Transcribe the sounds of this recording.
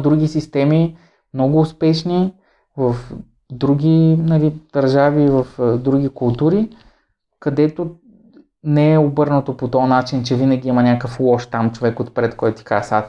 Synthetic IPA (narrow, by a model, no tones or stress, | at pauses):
d̪ɾuɡ̟ʲisist̪ɛmi | mnɔɡʊːspɛʃni | vɐf | d̪ɾuɡ̟ʲinɐlid̪̥ɐɾʒaviːvəfd̪ɾuɡ̟ikʊlˠt̪uɾi | kɐd̪ɛt̪o | nɛɛobɤɾnət̪opot̪ɔnat͡ʃint͡ʃɛvinəɡʲiimənʲakəflˠɔʃt̪amt͡ʃovɛkot̪pɾɛt̪kɔjt̪ʊt̪i̥kasat̪